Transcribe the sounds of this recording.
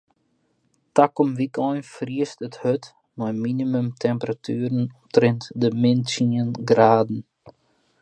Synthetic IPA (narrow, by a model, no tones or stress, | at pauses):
takɔmʋikɔjnfriəstəthøt | mɔjminimymtʰɛmpəratʰyːɾənɔmtrɛntdəmɪnsiənɡraːdn̩